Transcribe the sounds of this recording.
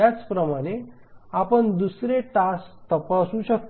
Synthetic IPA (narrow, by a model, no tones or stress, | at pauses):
at͡spɾəmaɽ̃e | apəɳd̪usɾeʈast̪əpasuɕək̚t̪